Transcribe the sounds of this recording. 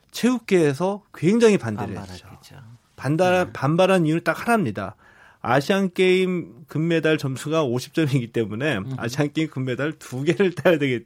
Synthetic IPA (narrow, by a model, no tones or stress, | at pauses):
t͡ɕʰeɡuk̚k͈e̞ːsʰʌkweŋd͡ʑaŋipandɯɾjet͡ɕ͈o | ppanbaɾɦaniunɯɭt͈ak̚hʰaɾamɲida̰ | a̰ɕʰiank͈e̞imkɯmːe̞daɭt͡ɕʌmsʰuɡaoɕʰi̥p̚t͡ɕ͈ʌmiɡit͈e̞mune̞a̰ɕʰiaŋk͈e̞imkɯmːe̞daɭtuɡe̞ɾɯɭt͈ajʌdwe̞ɡi